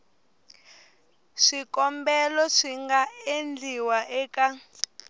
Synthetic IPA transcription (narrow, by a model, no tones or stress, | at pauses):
ʂikɔmbɛlɔʂiŋɡaend͡ɮiwaʔɛka